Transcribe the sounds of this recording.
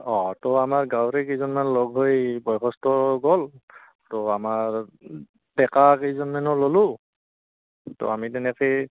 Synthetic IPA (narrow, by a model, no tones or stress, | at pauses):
ɔtɔamaɹɡawɹekejzɔnmanlɔɡɦojbɔjkʰɔstɔɡɔl | tɔamaɹ | d̥ɛkakejzɔnmanɔlolʊ̃ | to̰amitɛnɛke